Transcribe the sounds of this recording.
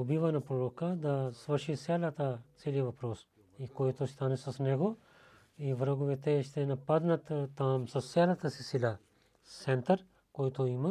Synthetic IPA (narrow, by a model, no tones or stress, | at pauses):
obivanapɾoɾokad̪asvərʃisʲɛlʲat̪at̪sɛlivɐpɾos | ikojt̪ost̪anɛsasnɛɡo | ivɾəɡovɛt̪ɛʃt̪ɛnapad̪nat̪ːamsasɛlʲat̪asisilʲa | sɛnt̪aɾ | kojt̪oima